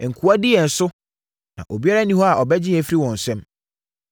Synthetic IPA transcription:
ŋ̩˨kʰu˨˦a˦dɪ˦ɛ˨n̩˨sʊ˦ | nã̰˨ʔo˨bi˦a˦ɾa˦nĩ˦hɔ˦a˨ʔɔ˨bɛ˦d͡ʑɪ̃˦ɛ˨˦fɾi˦wɔ̃˨n̩˨sɛ̃˦m

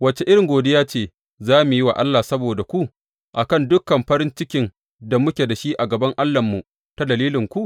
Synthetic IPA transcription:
wɐ˨t͡ʃe˨ʔɪ˦ɾɪ˨ŋɡʷoː˨dɪ˦jaː˦t͡ʃeː˦˨ | zaː˦mu˨ji˦wa̰˨ʔa˦lːa˨sɐ˦boː˨da˨kʷu˦ʔ | ʔa˨kɐ˦˨ndʊ˦kːɐ˨mɸɐ˦ɾɪ˦nt͡ʃɪ˦kʲɪ˦n | da˨mʊ˦kʲe˨da˨ʃi˦ʔa˨ɡɐ˨bɐ˦ŋʔa˦lːɐ˨mːu˨ | ta˦dɐ˨liː˦lɪ˨ŋkʷu˦ʔ

